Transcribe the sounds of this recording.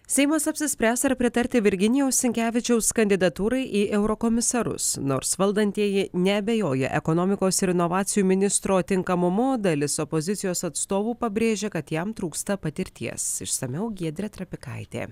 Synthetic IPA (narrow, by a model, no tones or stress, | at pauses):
sʲɛɪmɐsɐpʲsʲɪsʲpʲɾʲæːsɐɾpʲɾʲɪt̪ɐɾʲt̪ʲɪʋʲɪɾʲɡʲɪnʲɪjɛʊsʲsʲɪŋʲkʲæːʋʲɪt͡ʃʲɛʊskɐnʲd̪ʲɪd̪ɐt̪uːɾɐɪʔiːʔɛʊɾokomʲɪsɐɾʊ̰sno̰ːɾsʋɐlˠd̪ɐnʲt̪ʲiɛjɪnʲɛɐbʲejoːjɛ̰ʔɛkonoːmʲɪkoːsɪɾɪnɔʋɑːt̪sʲɪjuːmʲɪnʲɪst̪ɾoːt̪ʲɪŋkɐmʊmoːd̪ɐlʲɪsopozʲɪt̪sʲɪjoːsɐt̪st̪oːʋuːpɐbʲɾʲeːʒʲeːkɐt̪jɛmt̪ɾuːkst̪ɐpɐt̪ʲɪɾʲt̪ʲiɛsɪ̰ʃsɐmʲɛʊɡʲiɛd̪ʲɾʲɛt̪ɾɐpʲɪkɐ̰ɪt̪ʲḛː